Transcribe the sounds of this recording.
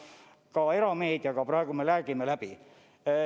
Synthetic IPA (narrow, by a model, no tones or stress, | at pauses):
kɑe̞ɾɑmeːd̪jɑkɑprɑeɡ̥umelæːɡimelæb̥i